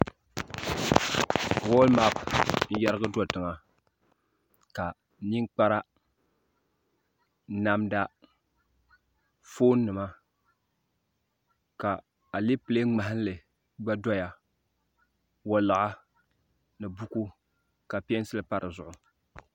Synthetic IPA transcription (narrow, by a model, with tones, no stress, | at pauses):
wɔ˦lma˦pn̩˦ja˦ɾɨ˦ɡɨ˦dɔ˦˨tɨ˨ŋa˨ | ka˨ | ni˦ŋk͡pa˦ɾa˦ | na˦mda˦ | foː˦nː˦ɨ˨ma˦ | ka˨ | a˨le˦pɨ˨le˦ŋ͡ma˨hɪ˦n˦lɨ˨ | ɡ͡ba˦dɔ˦ja˨ | wɔ˦la˨ʔa˦ | nɨ˨bu˦ku˦ | ka˨pi˦ɛ˦n˦sɨ˦lɨ˨pa˦ɾʔɨ˨zʊ˨ʔʊ˨